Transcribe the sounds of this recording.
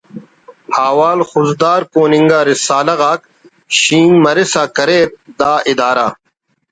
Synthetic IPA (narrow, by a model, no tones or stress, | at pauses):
haːwaːlxʊzd̪aːɾkoːniŋɡaːɾisaːlɐɣaːk | ɕiːnmɐɾisaːkɐɾeːt̪̚d̪aːʔid̪aːɾa̰